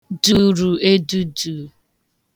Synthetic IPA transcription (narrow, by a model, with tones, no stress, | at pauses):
du˦ɾu˨e˦du˦du˨